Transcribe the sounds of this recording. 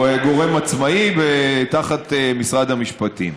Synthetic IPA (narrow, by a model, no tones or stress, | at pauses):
eɡo̞ʁe̞mat͡smaivet̪aχat̪emisʁad̪hamiʃpat̪ḭm